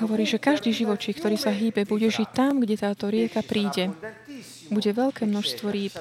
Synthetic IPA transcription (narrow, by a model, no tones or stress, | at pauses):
ɦɔʋɔɾiːʒɛkaʒd̪iːʒiʋɔt͡ʃiːkt̪ɔɾiːsaɦiːbɛbuɟɛʒict̪amɡɟɛt̪aːt̪ɔɾɪɛkapɾiːɟɛ | buɟɛʋɛʎkɛːmnɔʃst̪ʋɔɾiːp